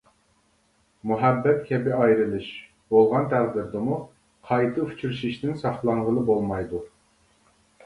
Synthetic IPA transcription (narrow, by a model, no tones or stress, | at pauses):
muɦɛbːɛt̪̚kʲʰɛbɪɑjɾɨlˠɨʃ | bolˠʁɑnt̪ʰæʁd̪ɪɾd̪ɨmu | qʰɑjt̪ʰɨy̥t͡ʃʰyɾʃiʃt̪ɪnsɑχlˠɑɴʁəlˠɨbolˠmɑjd̪u